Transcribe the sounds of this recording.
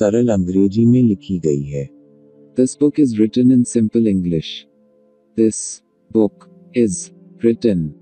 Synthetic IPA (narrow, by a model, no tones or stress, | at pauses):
sɐɾəlɐ̃ŋɡɾeːd͡ʒimẽlɪkʰiɡɐiɦɛː | d̪̥ɪsbʊkɪzɾɪʈə̃nɪ̃nsɪ̃mpəlɪ̃ŋɡlɪʃ | d̪ɪs | bʊk | ɪz | bɾɪʈə̃n